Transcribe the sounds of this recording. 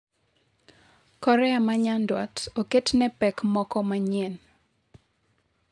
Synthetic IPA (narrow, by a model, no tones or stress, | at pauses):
kɔɾɛamaɲandwa̰toketnɛpɛkmɔkɔmaɲen